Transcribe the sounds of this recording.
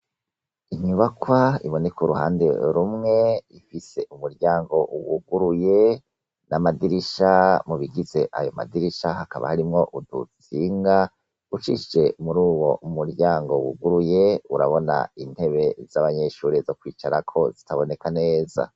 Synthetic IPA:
iɲuβakwaḭβo̞ne̞koɾuha̰ːnde̞̰ɾumŋe̞ifise̞umuɾɟaːŋɡo̞wuɡuɾuje̞ | namadiɾiʃamuβiɡize̞ʔajo̞ma̰diɾiʃahakaβa̰haɾimŋo̞ʔudut͡siːŋɡa | ut͡ʃiʃd͡ʒe̞muɾuːβo̞ʔumuɾɟaːŋɡo̞wṵɡuɾuje̞uɾaβo̞na̰in̥he̞βe̞z̥aβaɲe̞ʃuːɾizo̞kwiːt͡ʃaɾakʰo̞zitaβo̞ne̞kane̞ːza̰

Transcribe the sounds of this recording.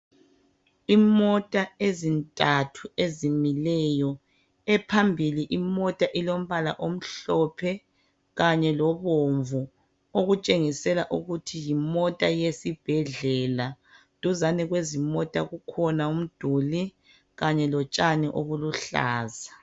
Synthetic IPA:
imɔtʼaezintʼatʰuezimilɛjɔ | ɛpʰambʱiliʔimɔtʼaʔilom̩βala̰ʔom̩ɬɔpʰɛ | ɣaɲɛlɔβoɱvu | oɣut͡ʃʼeŋisɛlaʔuɣutʰijimɔtʼajesib̥ʱɛɮɛla | tʼuzanɛɣwezimɔtʼaɣukʰɔnaum̩d̥ʱuli | ɣaɲɛlɔt͡ʃʼaniʔoɣuluɬa̰ːza

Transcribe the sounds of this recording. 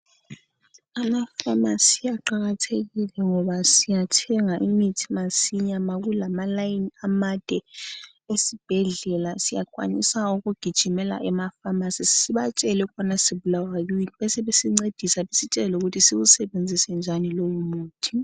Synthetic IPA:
amafamasijaǃaɣatʰeɣilɛŋɔβasijatʰɛŋaʔimitʰimasiɲamaɣulamalajinamad̥ʱɛ | esib̥ʱɛɮɛlasijakʼwa̰nḭsauɣuɡ̥ʱid̥ʒ̥ʱimɛla̰ʔɛmafamasisi̥siβat͡ʃʼɛlɛkanasiβulawajuinβɛsɛβesiŋ͡ǀed̥ʱisaβesit͡ʃʼɛluɣutʰisiβusɛβend͡zʱisɛnd͡ʒʱanilowumuːtʰi

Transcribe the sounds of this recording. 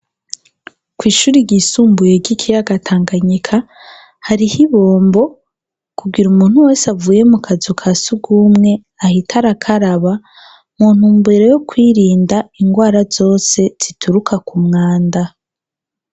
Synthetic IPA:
kwiːʃuːɾiɟiːsuːmbujeɟikʰijaɡatʰaːŋɡaɲikʰa | haɾihiβo̞ːmbo̞ | kuɡiɾumuːn̥huwe̞ːsavuːje̞mukʰazokʰasuɡumŋe̞ | ahitʰaɾakʰaɾaβa | muːn̥humbeɾejokwiːɾiːndaiŋɡwaːɾazo̞ːse̞z̥itʰuɾukʰakumŋaːnda

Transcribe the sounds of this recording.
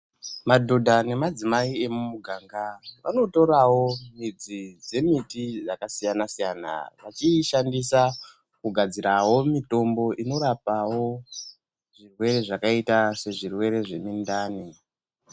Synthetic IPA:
madʱodʱane̞mad͡zimaie̞mumuɡʱaŋɡaʋa̰no̞to̞ɾawo̞mid͡zid͡ze̞mitid͡zakasijanasijana̰ʋat͡ʃiʃandisa | kuɡʱad͡ziɾawo̞mito̞mbo̞ʔino̞ɾapawo̞ | ʐirwe̞ɾe̞ʐakaitase̞ʐirwe̞ɾe̞ʐe̞mindaːni

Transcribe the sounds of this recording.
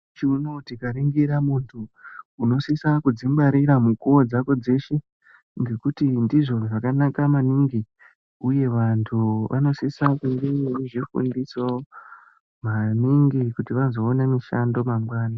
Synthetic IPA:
t͡ʃiunotikaɾiŋɡiɾamuntʰuːno̞sisakud͡zimbaɾiɾamukuwod͡zako̞d͡ze̞ʃe̞ | ŋɡe̞kutindiʐo̞ʐakanakamaniŋɡi | uje̞ʋantʰuʋʔa̰no̞sisakuŋɡeiʐifṵndiso | maniŋɡikutiʋazo̞ːnemiʃando̞maŋɡwaːna

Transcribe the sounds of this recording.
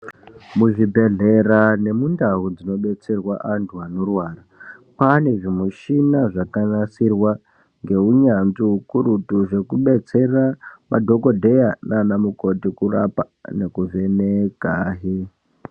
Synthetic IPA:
muʐibʱe̞ɮe̞rane̞mundaɦud͡zino̞ɓe̞t͡se̞rwaʔantʰuanorwaːrapane̞ʐimuʃinaʐakanasirwa | ŋɡe̞uɲanziɦukuɾutuʐe̞kuɓe̞t͡se̞ramadʱo̞ko̞dʱe̞jananamuko̞tikura̰pa | nekuve̞nekaːɦe

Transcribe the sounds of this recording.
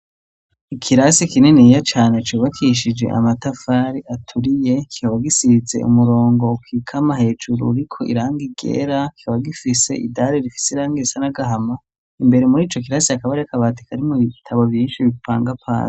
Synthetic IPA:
ikʰiɾasikinenijat͡ʃaːnet͡ʃuβakʰiʃid͡ʒe̞̰ʔa̰matafaːɾiʔatʰuɾije̞ki̥kaβaɡisize̞̰ʔṵmuɾo̞ːŋɡo̞kwiːkʰamaɦe̞ːd͡ʒuɾṵɾikʰo̞ʔḭɾaːŋɡiɡḛɾaki̥kaβaɡifise̞̰ʔḭdaɾeɾifi̥seɾaːŋɡisanaɡaɦama | imbe̞ɾemuɾiːt͡ʃo̞k̬iɾasiakaβaɾekaβaːti̥kʰaɾimuβiitʰaβovjiːnʃiβipaːŋɡapʰa̰ːn

